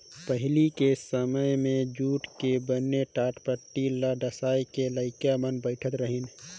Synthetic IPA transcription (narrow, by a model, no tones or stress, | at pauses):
pəɦɪlikesəməjmẽd͡ʒuːʈkebənːeʈaːʈpəʈːilaɖəsaːjkeləɪkjamənbəɪʈʰət̪ɾəɦɪn